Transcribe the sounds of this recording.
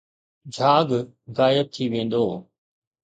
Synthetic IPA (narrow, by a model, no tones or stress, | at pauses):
d͡ʒʱaːɡ | ɣaːjəb̚t̪ʰiʋẽːnd̪oː